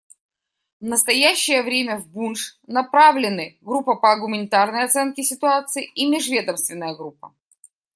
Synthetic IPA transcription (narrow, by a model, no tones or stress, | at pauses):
nəst̪ɐjæɕːɪjəvɾʲemʲəvbunʂnɐpɾavlʲɪnɨɡɾupːəpəɐɡʊmʲɪnʲɪt̪arnəjɐt̪sɛnkʲɪsʲɪt̪ʊat̪sɨɪʔimʲɪʐvʲe̞d̪əmst̪vʲɪnːəjəɡɾupːə̰